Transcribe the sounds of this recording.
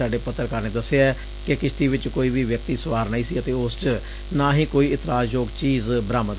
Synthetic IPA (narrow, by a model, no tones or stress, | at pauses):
aːɖeːpət̪ːəɾkəɾneːd̪əsːeaɛ | kekɪʃt̪iːʋɪt͡ʃkoːiːʋiːʋjək̚t̪iːsəʋaːɾnəĩːsiːət̪eːʊst͡ʃ | naːɦĩːkoːiːɪt̪ɪɾaːd͡ʒjoːɡt͡ʃiːzbəɾaːmət̪